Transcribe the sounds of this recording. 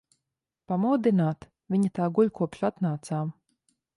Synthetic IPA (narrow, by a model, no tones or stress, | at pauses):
pamɔwd̪inaːt̪ | vʲiɲat̪aːɡulʲkuɔpʃat̪naːt̪saːm